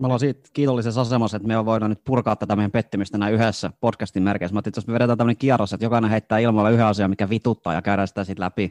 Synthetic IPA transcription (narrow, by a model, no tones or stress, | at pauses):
meolːɑsiːt̪kiːt̪olːisesɑsemɑset̪meoʋʋoinɑnyt̪̚purkɑːt̪ːæt̪æmejæmpet̪ːimyst̪ænæyɦesːæpotkæst̪immerkḛsmɑt̪ːiːet̪josmeʋeɾet̪æːt̪æmːəneŋkiɑrosːet̪jokɑinẽɦeit̪ːæːilmɑlːeyheɑsiɑmikːæʋit̪ut̪ːɑ̰ːjɑ̰kæyɾæːsi̥t̪æsit̪læpi